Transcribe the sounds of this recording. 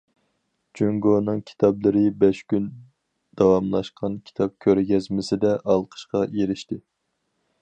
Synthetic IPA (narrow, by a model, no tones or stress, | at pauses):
d͡ʒøŋɡonɨŋkʲʰi̥t̪ʰɑblˠɨɾɪbɛʃkʲyn | d̪̥ɑwɑmlˠɑʃqʰɑnkʲʰi̥t̪ʰɑp̚kʲʰøɾɡʲɛzmɪsɪd̪ɛʔɑlˠqʰə̥ʃqɑjeɾɪʃt̪ɪ